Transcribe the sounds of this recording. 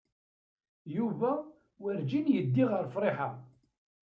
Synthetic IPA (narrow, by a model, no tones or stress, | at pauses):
juvæ | wəɾd͡ʒinjəd̪ːiʁəɾfɾˤɪħa